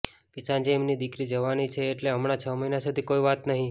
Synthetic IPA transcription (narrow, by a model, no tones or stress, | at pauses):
kesãnd͡ʒeːmnid̪ikɾid͡ʒəʋanit͡ʃʰeːʈleɦəmɽat͡ʃʰəməɦinasud̪ʱikoiʋat̪nəɦĩ